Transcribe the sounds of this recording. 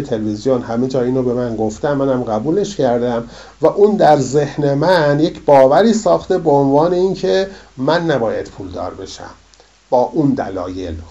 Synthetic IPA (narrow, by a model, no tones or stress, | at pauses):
et̪ʰelvizijonhæmed͡ʒɒːiːnobe̞mænɡoft̪æmːænæmɢæbuːle̞ʃcʰæɾd̪æm | væʔuːnd̪æɾze̞hnemænje̞cʰbɒːvæɾiːsɒːxt̪e̞beonvɑːne̞incʰe̞mænːæbɒːjæd̪̥pʰuːld̪ɒ̰ːɾbe̞ʃæ̰m | b̥ɒːʔund̪æ̰lɒːjel